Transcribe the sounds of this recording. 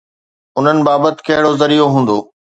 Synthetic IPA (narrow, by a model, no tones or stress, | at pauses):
ʊn̤ənɪ̆baːbət̪ɪ̥̆kɐɦɪɽozɐɾiːoɦũːn̆d̪oː